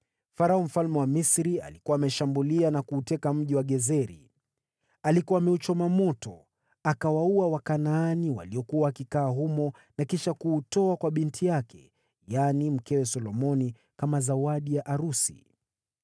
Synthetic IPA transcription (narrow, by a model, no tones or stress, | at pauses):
faɾaɔm̩falmɛwamisɾia̰likuwaːmɛʃambulianakuːtɛkam̩ʄiwaɠɛzɛɾḭ | alikuwaːmɛut͡ʃɔmamɔtɔ | akawauawakanaːniwa̰liɔkuwaːkikaːɦumɔ | nakiʃakuːtɔakwaɓintʰijakʰɛ̰ | janim̩kɛwɛsɔlɔmɔni | kamazawaɗijaʔaɾusḭ